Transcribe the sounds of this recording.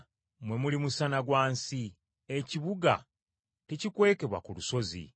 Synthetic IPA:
mwe̞mulimusanaɡwaːnsi | eciβuɡa̰ | tecikwe̞ːke̞βwa̰kuluso̞zḭ

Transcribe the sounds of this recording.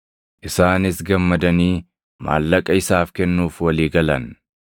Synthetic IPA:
ʔɪsaːnɪsɡɐmːɐd̪ɐniː | ma̰ːlːɐkʼɐɪsaːfkɛnːuːfwɐliːɡɐlɐn

